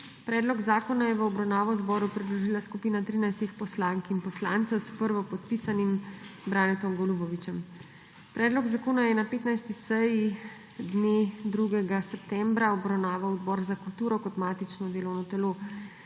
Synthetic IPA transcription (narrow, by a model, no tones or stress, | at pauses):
pɾɛːd̪lɔɡzaːkɔnajɛʋəɔbɾawnaːʋɔwzbɔːɾupɾid̪lɔʒiːlaskupiːnat̪ɾiːnajst̪ixpɔslaːŋkinpɔslant̪sɛwspəɾʋɔpɔt̪̚pisanimbɾaːnɛt̪ɔmɡɔlubɔʋit͡ʃɛm | pɾɛːd̪lɔɡzakoːnajɛnapeːt̪najst̪isɛji | d̪ned̪ɾuɡɛɡasɛp̚t̪ɛmbɾaɔbɾawnaːʋawɔd̪bɔːɾzakult̪uːɾɔkɔt̪maːt̪it͡ʃnɔd̪eːlɔwnɔt̪ɛloː